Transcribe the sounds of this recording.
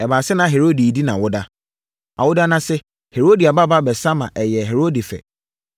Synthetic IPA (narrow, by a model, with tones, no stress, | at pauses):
ɛ˨baː˨sɪ˦nã˨ɦe˨ɾo˦di˨di˦nã̰˨wʊ˦da˦ | a̰˨wʊ˦da˦nã˦sɛ˦ | he˨ɾo˦di˨a˨ba˦ba˦bɛ˨sa˦mã̰˨ʔɛ˨jɛ˨ɦe˨ɾo˦di˨fɛ̰˨